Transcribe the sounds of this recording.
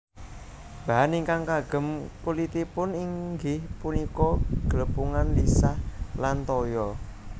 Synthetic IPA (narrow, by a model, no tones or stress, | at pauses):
b̥a̤ɦaniŋkaŋkaɡ̥ə̤mkulit̪ipʊniŋɡɪhpunikɔɡ̥ələpuŋanlisahlant̪ɔjɔ